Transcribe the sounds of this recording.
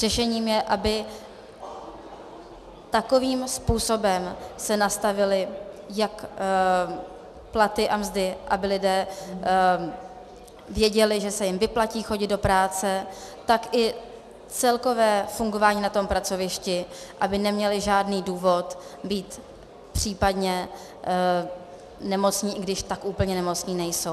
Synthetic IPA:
r̥ɛʃɛɲiːmjɛʔabɪ | t̪ako̞viːmspuːso̞bɛmsɛnast̪avɪlɪjak | plat̪ɪʔamzdɪʔabɪlɪdɛː | vjɛɟɛlɪʒɛsɛjɪmvɪplaciːxo̞ɟɪd̪do̞pɾaːt͡sɛt̪akʔɪ | t͡sɛlko̞vɛːfuŋɡo̞vaːɲiːnat̪o̞mpɾat͡so̞vɪʃcɪʔabɪnɛmɲɛlɪʒaːdniːduːvo̞t̪biːt̪ | pr̝̥iːpadɲɛ | nɛmo̞t͡sɲiːʔɪɡdɪʃt̪akʔuːpl̩ɲɛnɛmo̞t͡sɲiːnɛjso̞w

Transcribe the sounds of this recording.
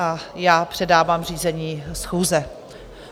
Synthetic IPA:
ajaːpr̥ɛdaːvaːmr̝iːzɛɲiːsxuːzɛ

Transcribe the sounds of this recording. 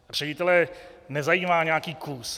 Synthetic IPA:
r̝̥ɛɟɪt̪ɛlɛnɛzajiːmaːɲɛakiːkuːs

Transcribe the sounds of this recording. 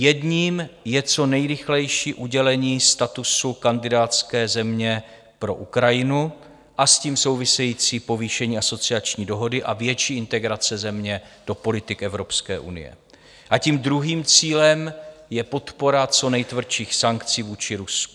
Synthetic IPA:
jɛdɲiːmjɛt͡so̞nɛjɾɪxlɛjʃiːʔuɟɛlɛɲiːst̪at̪usukandɪdaːt̪t͡skɛːzɛmɲɛ | pɾo̞̰ʔukɾajɪnu | ʔasciːmso̞wvɪsɛjiːt͡siːpo̞viːʃɛɲiːaso̞t͡sɪat͡ʃɲiːdo̞ɦo̞dɪʔavjɛt͡ʃiːʔɪnt̪ɛɡɾat͡sɛzɛmɲɛd̥o̞po̞lɪt̪ɪkʔɛvɾo̞pskɛːʔṵnɪ̰jɛ̰ | ʔaciːmd̪ɾuɦiːmt͡siːlɛmjɛpo̞t̪po̞ɾat͡so̞nɛjt̪vr̩ʃiːxsaŋkt͡siːvuːt͡ʃɪɾusku̥

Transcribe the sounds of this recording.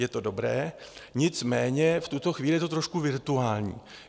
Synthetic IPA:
jɛt̪o̞do̞bɾɛːɲɪt͡smɛːɲɛft̪ut̪o̞xviːlɪjɛt̪ot̪ɾoʃkuvɪɾt̪uaːlɲḭː

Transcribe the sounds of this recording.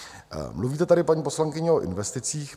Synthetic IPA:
mluviːt̪ɛt̪adɪpaɲiːpo̞slaŋkɪɲɛoʔɪ̰nvɛst̪ɪt͡siːx

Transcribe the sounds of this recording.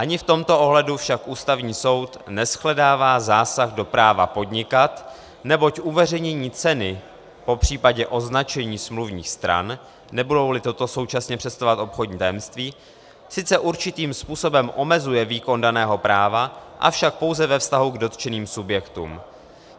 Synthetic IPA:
ʔaɲɪft̪o̞mt̪o̞ʔo̞ɦlɛdufʃakʔuːst̪avɲiːso̞wt̪nɛsxlɛdaːvaːzaːsaɣdo̞pɾaːva̰po̞dɲɪkat̪ | nɛbo̞cʔuvɛr̝ɛjɲɛɲiːt͡sɛnɪ | po̞pr̝̥iːpaɟɛʔo̞znat͡ʃɛɲiːsmluvɲḭːxst̪ɾa̰nː | ɛbudo̞wlɪt̪o̞t̪o̞so̞wt͡ʃasɲɛpr̥ɛst̪ovat̪ʔo̞pxoɟɲiːt̪ajɛmst̪viː | sɪt͡sɛʔuɾt͡ʃɪt̪iːmspuːso̞bɛmʔo̞mɛzujɛviːko̞ndanɛːɦo̞pɾaːvaʔa̰fʃak̚po̞wzɛvɛfst̪aɦuɡdo̞t̪t͡ʃɛniːmsubjɛkt̪ṵːm

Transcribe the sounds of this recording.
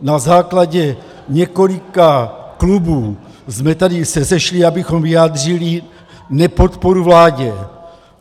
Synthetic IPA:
nazaːklaɟɛ | ɲɛko̞likaklubuː | zmɛt̪adɪsɛsɛʃliabɪxo̞mviaːd̪r̝ili | nɛpo̞t̪poɾuvlaːɟɛ

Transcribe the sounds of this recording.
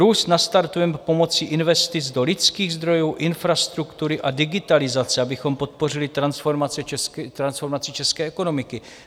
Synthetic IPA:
ɾuːst̪nast̪aɾt̪uɛmpo̞mo̞t͡siʔɪnvɛst̪ɪt͡sdo̞lɪt͡skiːɣzd̪ɾo̞juːʔɪnfɾast̪ɾukt̪uɾɪʔadɪɡɪt̪alɪzat͡sɛabɪxo̞mpo̞t̪̚po̞rɪlɪt̪ɾansfoɾmat͡sɛɛt̪ɾansfo̞ɾmat͡sɪt͡ʃɛskɛːʔɛko̞no̞mɪkɪ

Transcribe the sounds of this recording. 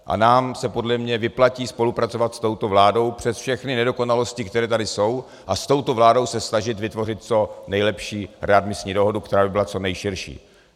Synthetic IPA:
ʔa̰naːmsɛpo̞dlɛmɲɛvɪplaciːspo̞lupɾat͡so̞vat̪st̪o̞wt̪o̞vlaːdo̞wpr̝̥ɛsfʃɛxnɪnɛdo̞ko̞nalo̞scɪkt̪ɛɾɛːt̪adɪso̞w | ʔast̪o̞wt̪o̞vlaːdo̞wsɛsnaʒɪt̪vɪt̪vo̞rɪt̪̚t͡so̞nɛjlɛpʃiːɾɛad̪mɪsɲiːdo̞ɦo̞dukt̪ɛɾaːbɪbɪlat͡so̞nɛjʃɪɾʃḭː

